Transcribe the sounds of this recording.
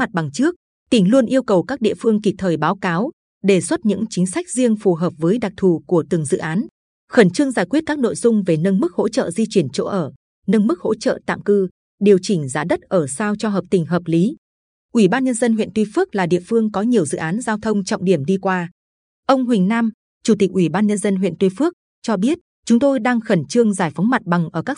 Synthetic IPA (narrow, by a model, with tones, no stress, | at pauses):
ma˨˩t̚ɓa˨˩ŋt͡ɕɨ˦˥ək̚ | t̪ï˧˩ŋ̟lu˧ənʔi˧əwkə˨˩wkaː˦˥k̚ɗḭ˧˨əfɨ˧əŋki˨˩t̚t̪ʰəː˨˩jɓaː˨˦wkaː˨˦w | ɗe˧˨˩swə˦˥t̚ɲɨ̰˧˥ŋt͡ɕï˨˦ŋ̟sa˦˥jk̚zi˧əŋfu˨˩ɦəː˨˩p̚vəː˨˦jɗa˨˩k̚t̪ʰu˨˩ku˧˩ət̪ɨ˨˩əŋzɨ̰˧˨ʔaː˨˦n | xə˧˩nt͡ɕɨ˧əŋzaː˧˩jkwi˦˥t̚kaː˦˥k̚no̰˧˨jzʊ˧ŋ͡mve˨˩nə˧nmɨ˦˥k̚ho̰˧˥t͡ɕə̰ː˧˨zi˧t͡ɕwi˧˩ənt͡ɕo̰˧˥ʔəː˧˩ | nə˧nmɨ˦˥k̚ho̰˧˥t͡ɕə̰ː˧˨t̪a̰ː˧˨mkɨ˧ | ɗi˨˩əwt͡ɕï˧˩ŋ̟zaː˨˦ɗə˦˥t̚ʔəː˧˩saː˧wt͡ɕɔ˧ɦəː˨˩p̚t̪ï˨˩ŋ̟ɦəː˨˩p̚li˨˦ | ʔwi˧˩ɓaː˧nɲə˧nzə˧nɦwḭ˧˨nt̪wi˧fɨ˦˥ək̚laː˨˩ɗḭ˧˨əfɨ˧əŋkɔ˨˦ɲi˨˩əwzɨ̰˧˨ʔaː˨˦nzaː˧wt̪ʰə˧wŋ͡mt͡ɕɔ̰˧˨wŋ͡mɗi˧˩əmɗi˧kwaː˧ | ʔə˧wŋ͡mɦwï˨˩ŋ̟naː˧m | t͡ɕu˧˩t̪i˨˩k̚wi˧˩ɓaː˧nɲə˧nzə˧nɦwḭ˧˨nt̪wi˧fɨ˦˥ək̚ | t͡ɕɔ˧ɓi˦˥ət̚ | t͡ɕʊ˨˦ŋ͡mt̪o˧jɗaː˧ŋxə˧˩nt͡ɕɨ˧əŋzaː˧˩jfə˨˦wŋ͡mma˨˩t̚ɓa˨˩ŋʔəː˧˩kaː˦˥k